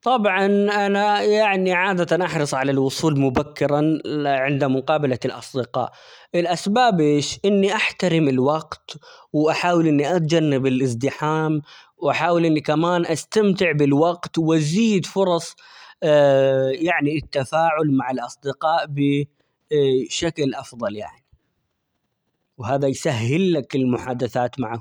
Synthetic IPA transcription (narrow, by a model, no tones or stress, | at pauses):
t̪ˤɑbʕɑnʔanajaʕniʕaːd̪at̪anʔɑħɾɨsˤʕalalwʊsˤuːlmʊbakːɪɾˤaʕɪnd̪amʊqɑːbalalʔɑ̰sˤd̪ɪqɑ̰ːʔ | ʔɪlʔasbaːbʔeːʃʔɪnːiʔaħt̪aɾɪmɪlwɑɡt̪wʔaħaːwɪlʔɪnːiʔat̪d͡ʒanːɪbɪlʔɪs̬d̪ɪħaːm | wʔaħaːwɪlʔɪnːikamaːnʔast̪amt̪ɪʕbɪlwɑɡt̪wʔaziːd̪fʊɾˤɑsˤ | jaʕniɪt̪ːafaːʕʊlmaʕɪlʔɑsˤd̪ɪqɑːʔbɪ | ʃaklʔɑfðˤɑlja̰ʕni | wɦaːðajsaɦːɪlːakɪlmʊħaːd̪aθaːt̪maʕa